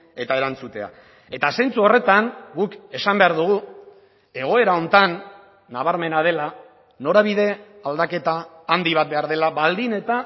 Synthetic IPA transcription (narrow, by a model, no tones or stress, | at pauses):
e̞t̪ae̞ɾant͡sut̪e̞a̰ | e̞t̪asajnt͡suo̞re̞t̪aŋɡuke̞sambe̞aɾðuɣu | e̞ɣ̞o̞e̞ɾao̞nt̪anː | aβaɾme̞nað̞e̞la | no̞ɾaβ̞iðe̞ald̪ake̞t̪aːnd̪iβ̞at̪̚be̞aɾðe̞laβald̪ine̞t̪a